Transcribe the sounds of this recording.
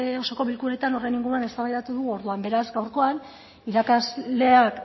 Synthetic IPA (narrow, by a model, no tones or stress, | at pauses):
o̞so̞ko̞βilkuɾe̞t̪ano̞re̞jniŋɡuɾuane̞st̪aβajðat̪uðuɣuo̞ɾðuambe̞ɾazɡawɾko̞an | iɾakazle̞ak